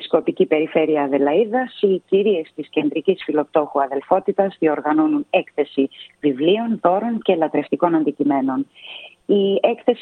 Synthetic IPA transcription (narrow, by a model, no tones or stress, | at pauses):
sko̞picipe̞ɾife̞ɾiɐðe̞lɐiðɐsiciɾie̞st̪isce̞nd̪ɾicisfilo̞p̚t̪o̞xuɐðe̞lfo̞t̪it̪ɐzðio̞ɾɣɐno̞nune̞kθe̞sivivlio̞nθo̞ɾo̞nce̞lɐt̪ɾe̞ft̪iko̞nɐnd̪icime̞no̞n | ie̞kθe̞s